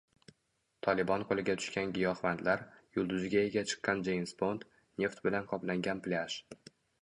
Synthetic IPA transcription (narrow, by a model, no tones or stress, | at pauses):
t̪ʰɒlɪbɒnqʰolɪɡʲat̪ʰʊ̥ʃkʲanɡʲɪjɒχvant̪laɾjʊlˠd̪ʊzɪɡʲaeɡʲat͡ʃʰɨ̥qːɑnd͡ʒejmsbo̞nt̪ | nʲe̞ft̪bɪlanqʰɒplaŋɡʲanplʲaʃ